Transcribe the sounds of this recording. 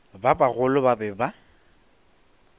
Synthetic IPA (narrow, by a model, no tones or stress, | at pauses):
babaɣʊlʊbabɛba